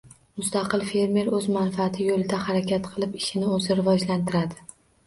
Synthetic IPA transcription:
mʊst̪ɑqɨlˠfe̞ɾme̞ɾɵzmanfɪat̪ʰɪjolɪd̪ahaɾakʲʰat̪qʰɨlˠɪpɪʃɪnɪɵzɪɾɪvɒd͡ʒlant̪ʰɪɾad̪ɪ̥

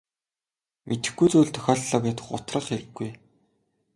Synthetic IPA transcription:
mʔet̪ɘ̆xɡujt͡suːɮt̪ʰœ̥xʲɔːɮɮɔːpʲaːt̪ə̆χʊ̰t̪rə̆χxeɾɘ̆ɡːuj

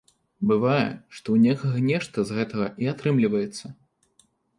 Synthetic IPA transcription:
bɨvajɛ̰ʂt̪ɔwnʲɛkɐɣɐnʲɛʂt̪ɐzɣɛt̪ɐɣɐiat̪ɾɨmlʲivɐjɛt̪sːɐ

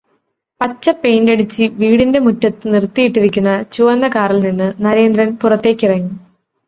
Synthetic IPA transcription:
pɐt͡ɕːɐpe̞ːndeɽit͡ɕːɨʋiːɽinde̞mutːɐt̪ːɨnirt̪ːijiʈːiɾikʲːunːɐt͡ɕuʋɐnːɐkaːrilninːɨnɐɾe̞ːnd̪rɐnpurɐt̪ːe̞ːkʲːirɐŋːu

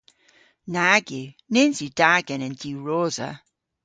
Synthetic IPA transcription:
naɡi | nenzidaɡənə̃ndiɹoːzə̰

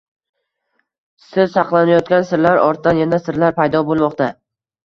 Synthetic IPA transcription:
sɪɾsɑqlˠanajɒt̪̚kʲansɪɾlaɾɒɾt̪d̪anjanasɪɾlaɾpʰajd̪ɒbolˠmɒqt̪ʰa

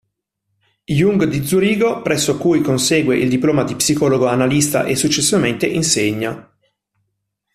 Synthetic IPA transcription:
juŋɡd̪id̪zuɾiːɡopɾʔɛsːokujkonseːɡweʔild̪iploːmad̪ipsikɔːloɡoanalist̪a̰ʔesːut͡ʃːesːivament̪eʔinseɲːa

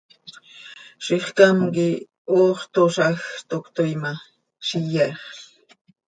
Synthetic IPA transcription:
ʃiχkamki | oːχt̪oʃaxt̪okt̪ojma | ʃijeχɬ

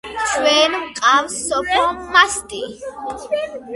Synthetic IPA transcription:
swɛːnmqʼawsɔpʰɔmast̪ʼi

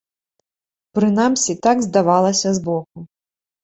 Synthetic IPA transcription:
pɾɨnamsʲit̪aɡzd̪avalˠɐsʲɐzbɔk̚u

